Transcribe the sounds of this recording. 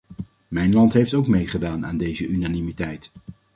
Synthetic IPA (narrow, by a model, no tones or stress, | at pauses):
mɛjnlɑntɦejftowkmejχədaːna̰ːndejzəʔynaːnimitɛjt